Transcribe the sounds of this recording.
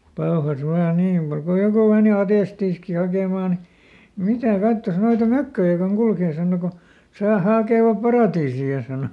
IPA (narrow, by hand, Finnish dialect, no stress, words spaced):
pɑohɑs ʋɑː niː muk ko joku meˑni ɑtestiːski hɑkeˑmɑˑ ni mitæˑ kɑtːos noitɑ møkːøjæ koŋ kulkeː sɑːno ko tŏsɑˑ hɑˑkeˑʋɑp pɑrɑˑtiːsiɑ sɑˑno